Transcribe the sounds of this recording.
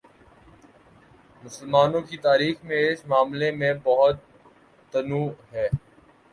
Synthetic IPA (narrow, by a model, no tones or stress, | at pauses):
mʊsəlmaːnõkit̪aːɾiːxmẽɪsmaːmlemẽbɐɦʊt̪̚ː | ɐnuːɦɛː